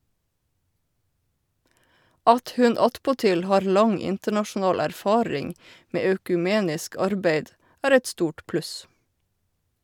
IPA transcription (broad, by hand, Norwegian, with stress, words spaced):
ˈɑt ˈhʉn ˈɑtpɔˌtɪl ˈhɑːɹ ˈlɑŋ ˈɪntəɳɑʃn̩ˌɑːl æɾˈfɑːɹɪŋ ˈmeː œkʉˈmeːnɪsk ˈɑɾbæɪd ˈæːɾ ˈɛt ˈstuːʈ ˈplʉs